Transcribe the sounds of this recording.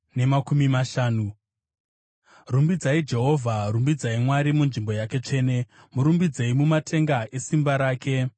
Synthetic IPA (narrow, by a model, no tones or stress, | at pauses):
ne̞makumimaʃaːnu | rumbid͡zaid͡ʒe̞ɦo̞vʱarumbid͡zaimwaɾimunʐimbo̞jake̞t͡ʂe̞ːne̞ | muɾumbid͡zeimumatʰe̞ŋɡaʔe̞simbaɾaːke̞